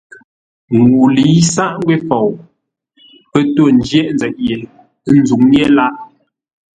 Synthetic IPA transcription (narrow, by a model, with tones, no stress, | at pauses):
ŋu˨li˨˦sa˦˨ʔŋ˦ɡwe˦fɔ˨w | pə˦to˦˨n̩˦d͡ʒjɛ˦˨ʔnd͡zɛ˨t̚je˨˦ | n̩˦zu˨ŋnje˦la˦ʔ